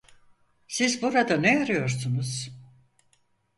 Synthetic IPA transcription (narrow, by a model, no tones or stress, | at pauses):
sizbuɾad̪anejaɾɯjo̞ɾsunuz̥